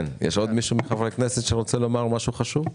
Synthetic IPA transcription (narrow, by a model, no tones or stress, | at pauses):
njɛ̰ʃo̞d̪miʃumeχavʁekneset̪ʃeʁot͡selo̞maʁmaʃuχaʃuv